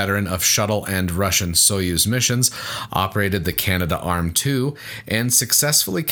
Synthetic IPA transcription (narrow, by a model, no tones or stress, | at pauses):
ɛɾə˞ɨ̃nʌv̥ʃʌɾl̩ˠɨ̃nɹʌʃɨ̃nsoʊjʉzmɪʃɨ̃nzʔɑ̰pə˞eɪɾɨd̪̚ðɨkʰænɨɾə̰ʔɑɹmtʰʉ | ʔɨ̃nsɨksɛsfl̩ˠikʰ